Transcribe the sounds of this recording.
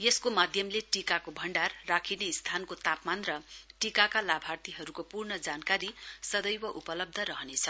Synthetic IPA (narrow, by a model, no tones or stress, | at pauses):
jeskomad̪ʱjʌmleʈikakobʱʌɳɖarːakʰinest̪ʰankot̪apmanrʌʈikakalabʱart̪iɦʌɾukopurnʌd͡zankaɾisʌd̪ʌjwʌʔupʌlʌb̚d̪ʱʌɾʌɦʌnet͡sʰʌ